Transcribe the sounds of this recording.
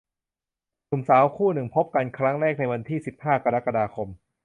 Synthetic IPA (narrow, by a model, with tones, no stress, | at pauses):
nu˨˩msaː˩˦wkʰuː˥˩nɯ˨˩ŋpʰo˦˥p̚ka˧nkʰɾa˦˥ŋɾɛː˥˩k̚na˧jwa˧nt̪ʰiː˥˩si˨˩p̚haː˥˩kʰa˧ɾa˦˥ka˧daː˧kʰo˧m